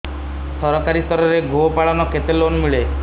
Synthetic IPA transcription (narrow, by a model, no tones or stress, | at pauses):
sɔɾɔkaɾist̪ʰɔɾɔɾeɡʱopaɭɔnɔket̪elonmiɭe